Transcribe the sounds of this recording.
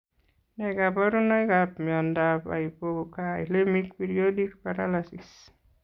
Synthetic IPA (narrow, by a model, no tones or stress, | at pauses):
najkapaɾunajkapmiɔndapa̰ipokajlemik̚peɾiodik̚paɾalasis